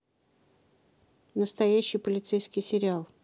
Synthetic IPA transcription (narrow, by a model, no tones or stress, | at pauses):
nəst̪ɐjæɕːɪjpəlʲɪt̪sejskʲɪjsʲɪɾʲɪalˠ